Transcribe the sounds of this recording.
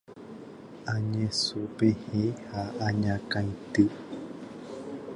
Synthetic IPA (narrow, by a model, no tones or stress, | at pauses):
ãɲẽsupehehaʔaɲãkãĩt̪ɨ